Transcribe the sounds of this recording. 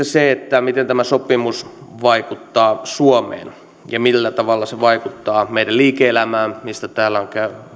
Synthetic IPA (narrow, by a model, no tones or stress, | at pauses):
eseet̪ːæmit̪ent̪æmæsopimusʋɑikut̪ːɑːsuomḛːn | jɑmilːæt̪ɑʋɑlːɑseʋɑikut̪ːɑːmeidælliːkeelæmæːmmist̪æt̪æːlːæoŋkæyny